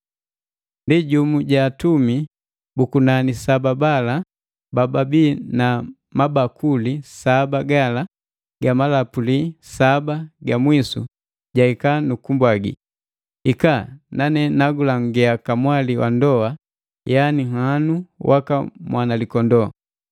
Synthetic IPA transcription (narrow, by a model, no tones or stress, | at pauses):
ndiɟumuɟaːtumi | bukunanisababala | bababina | mabakʰulisabaɡala | ɡamalapulisabaɡamwisṵ | ɟaikanukumbwaɡḭ | ikananɛnaɡulaŋɡɛakamwaliwa̰ndɔa | janiŋanuwʔakamwʔanalikɔndɔ